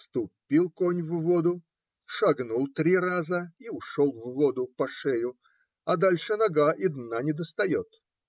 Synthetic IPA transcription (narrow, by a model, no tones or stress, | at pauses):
st̪ʊpʲːilˠkonʲvvod̪ʊ | ʂɐɡnulˠt̪ɾʲirazəiʊʂolˠvvod̪ʊpɐʂɛjʊ | ɐd̪alʲʂɨnɐɡaʔid̪nanʲɪd̪əst̪ɐjot̪